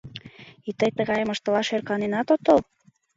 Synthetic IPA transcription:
it̪əjt̪əɣɑjəmə̆ʃt̪əlɑʃerkɑnenɑt̪ot̪ol

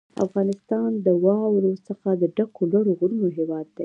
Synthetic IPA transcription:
a̰fɣɑnɪst̪ɑnd̪əwɑwɾosəxad̪əɖakolwaɽoɣɾunoɦɪwɑd̪̚ːaj

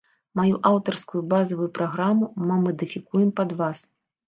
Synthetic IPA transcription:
majuʔawt̪ɐrskujubazɐvujupɾaɣɾamumɐmɐd̪ɨfʲikujɛmpɐd̪vas

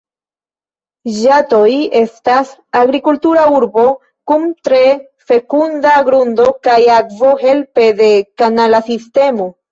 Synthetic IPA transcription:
ʒato̞je̞stasaɡɾikultuɾauɾbo̞ | kumtɾe̞ | fe̞kundaɡɾundo̞kajakvo̞he̞lpe̞de̞kanalasiste̞mo̞

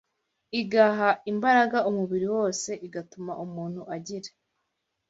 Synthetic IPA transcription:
iɡaɦaimbaɾaɡaumuβiɾiwo̞ːse̞ʔiɡatumaʔumuːn̥huʔaɟiɾe

